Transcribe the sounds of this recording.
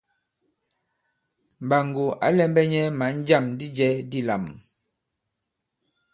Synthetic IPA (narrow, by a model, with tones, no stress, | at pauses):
m˨ba˨ŋɡo˨a̰˨˦lɛ˦mbɛ˦ɲɛ˦ma˨˦n̩˦d͡ʒa˦˨mdi˦d͡ʒɛ˦di˦la̰˨m